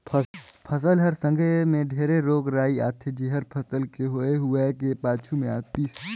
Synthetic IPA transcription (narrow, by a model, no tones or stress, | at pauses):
pʰpʰɐs̬əlɦɐɾsə̃ŋɡʱemẽɖʱeːɾeɾoːɡɾaːia̰ːt̪ʰed͡ʒiɦəɾpʰəsəlkeɦoeɦʊekepaːt͡ʃʰumẽaːt̪is